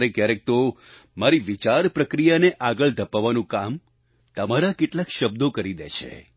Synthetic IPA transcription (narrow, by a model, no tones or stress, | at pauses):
ɾekjaɾek̚t̪o | maɾiʋit͡ʃaɾpɾəkɾijaneʔaɡəɭd̪ʱəpaʋanũkam | t̪əmaɾakeʈlakʃəbd̪okəɾid̪ḛt͡ʃʰḛ